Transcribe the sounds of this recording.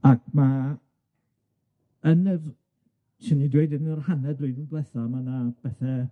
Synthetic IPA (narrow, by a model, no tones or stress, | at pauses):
ak̚ʰma | ənr | ʃɪnidwejdənrhanɛdwɪjdənblɛθamanab̥ɛθɛ